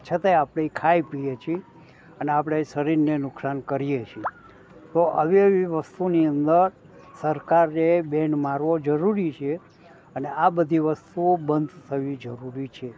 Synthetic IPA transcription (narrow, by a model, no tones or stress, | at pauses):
t͡ʃʰət̪ajapɽ̃eikʰaipijet͡ʃʰie | əneapɽ̃esəɾiɾnenʊksankəɾijet͡ʃʰi | t̪oʔə̰ʋiəʋiʋəst̪uniənd̪əɾ | səɾkaɾːebenmaɾʋod͡ʒəɾuɾit͡ʃʰe | əneabəd̪ʱiʋəst̪ubənd̪ʱt̪ʰəʋid͡ʒəɾuɾit͡ʃʰe